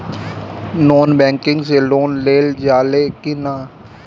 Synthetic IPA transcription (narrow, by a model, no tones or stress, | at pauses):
noːnbɛ̃ːŋkɪ̃ŋɡseloːnleːld͡ʒaːlekɪnaː